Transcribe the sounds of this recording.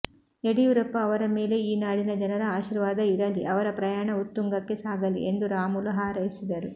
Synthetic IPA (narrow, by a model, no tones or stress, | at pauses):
eɽijuɾɐpːɐːʋɐɾɐmeːle̞iːnaːɽinɐd͡ʒɐnɐɾɐaːʃiːɾʋaːd̪ɐiɾɐliʔɐʋɐɾɐpɾɐjaːɳɐut̪ːuŋɡɐkːe̞saːɡɐlḭʔe̞nd̪uɾaːmulɐɦaːɾɐjisid̪ɐɾu